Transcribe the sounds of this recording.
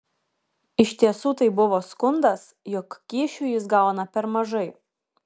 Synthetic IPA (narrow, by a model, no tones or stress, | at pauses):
ɪʃʲt̪ʲiɛsuːt̪ɐɪbʊʋoːskʊnd̪ɐs | jɔkːʲiːʃʲuːjɪsɡɑˑʊnɐpʲɛɾmɐʒɐɪ